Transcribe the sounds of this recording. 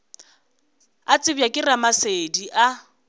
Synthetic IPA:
at͡sʼɪbjakʼɪramasediʔa

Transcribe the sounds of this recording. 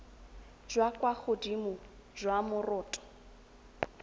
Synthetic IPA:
d͡ʒwakʼwaχʊdimʊd͡ʒwamʊrʊːtʼɔ̥

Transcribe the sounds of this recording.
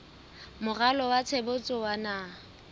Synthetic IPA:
mʊɣalɔwat͡sʰebʊt͡sʼɔwana

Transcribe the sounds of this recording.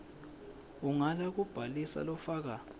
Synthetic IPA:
uŋalak̬ub̥ʱalisa̰lɔfaːk̬a

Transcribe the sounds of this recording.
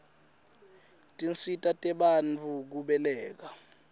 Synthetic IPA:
tʼint͡sitʼatʼɛɓant͡fʰuk̬uɓɛlɛːk̬a

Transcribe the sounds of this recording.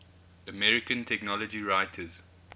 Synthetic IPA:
əmɛɹɪkə̃ntʰɛknɔlɔd͡ʒiɹaɪtʰəz

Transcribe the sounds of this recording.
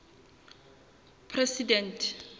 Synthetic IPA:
pʰrɛsidɛntʰ

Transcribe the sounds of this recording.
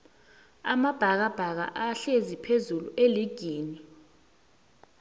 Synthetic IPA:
amab̥ʱak̬ab̥ʱak̬a̰ʔaɬezipʰezulṵʔeliɡ̥ʱiːni

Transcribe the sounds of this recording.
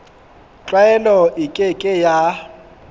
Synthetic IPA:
t͡ɬʼwaɛlɔʔɪkʼekʼɪja

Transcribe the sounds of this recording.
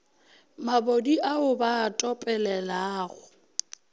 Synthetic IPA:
mabodiʔaʊbaːtʼɔpʼɛlɛlaːɣʊ

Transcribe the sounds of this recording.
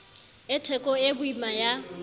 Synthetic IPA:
ɪtʰɛkʼɔebʊimaja

